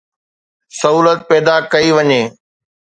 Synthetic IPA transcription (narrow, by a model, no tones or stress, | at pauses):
sɐɦuːlət̪̚pɛːd̪akɐiʋɐɲeː